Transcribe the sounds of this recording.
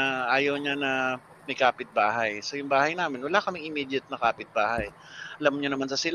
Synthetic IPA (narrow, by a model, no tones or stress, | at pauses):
ɐʔaːjɐwɲanɐ | mɐjkaːpɪt̪̚baːɦɐjsojʊŋbaːhɐjnaːmɪnwɐlaːkɐmɪŋʔɪmid̪ɐt̪̚nɐkaːpɪt̪̚baːhɐj | ʔɐlamɲonɐmansɐsɪl